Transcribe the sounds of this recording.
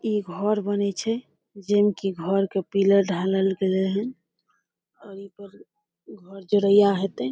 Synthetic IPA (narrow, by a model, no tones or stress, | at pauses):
iɡʱɔɾbənɛt͡ʃʰɛ | d͡ʒemkiɡʱɔɾkepiləɾɖʱaləlɡeleɦən | ɔːɾipəɾ | ɡʱɔɾd͡ʒoɾəijaɦet̪ɛ